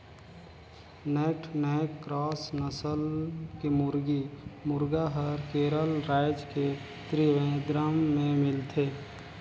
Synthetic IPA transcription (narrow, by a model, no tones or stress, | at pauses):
nɛːʈʰnəkɾɔːsnəsəlkemʊɾɡimʊɾɡaɦəɾkeːɾəlɾaːɪd͡ʒke | t̪ɾiʋẽd̪ɾamːẽmɪlt̪ʰeː